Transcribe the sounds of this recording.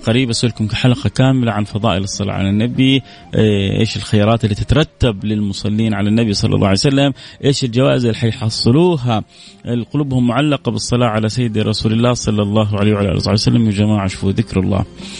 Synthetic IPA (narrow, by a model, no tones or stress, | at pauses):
qaɾiːbʔasʔʊlkʊmkaħalqɑkaːmɪlaʕanfɑðˤɑ̰ːʔɪlɨsˤːɑlɑ̰ʕa̰lanːabi | ʔḛːʃɪlxajɑːɾˤɑːt̪ɪlːiːt̪ɪt̪ɾˤɑt̪ːablɪlmʊsˤɑlːiːnʕalanːabisˤɑlːɑ̰lːˤʔɑ̰ːʕajsalːamʔeːʃɪld͡ʒawaːʔɪzɪlːħajħɑsˤːɨluːɦa | ɪlqʊluːbhʊmːʊʕalːɑqɑbɨsˤːɑlɑːʕalasajːɪd̪ɾˤɑsuːlɪlːaːhsˤɑlːɑlˤːɑːɦwʕalejːwʕalʔa̰lsˤɑʕjsalːamwɪd͡ʒamaːʕaʃfuðɪkɾɑ̰lˤːɑ̰ː